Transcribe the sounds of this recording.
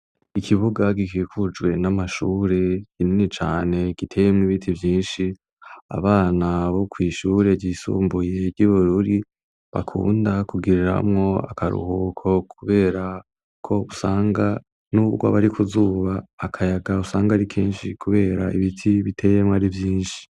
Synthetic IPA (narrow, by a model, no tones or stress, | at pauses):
ikʰiβuɡaɡikiːkud͡ʒwe̞namaʃuːɾe̞kininit͡ʃaːne̞ɡ̥itʰe̞jemŋiβitʰivjiːnʃi | a̰βaːnaβo̞kwiːʃuːɾe̞ɟiːsṵːmbuje̞ɾɟiβuɾuɾi | βa̰kʰṵːndakuɡiɾiɾa̰mŋo̞a̰kʰaɾṵhuːkʰo̞kʰuβe̞ːɾa | kʰo̞usaːŋɡa | nuɡwa̰βaɾikʰuzuːβaːkʰajaɡausaːŋɡaɾikʰeːnʃikʰuβe̞ːɾaʔiβitʰiβitʰe̞ːjemŋaɾivjiːnʃi̥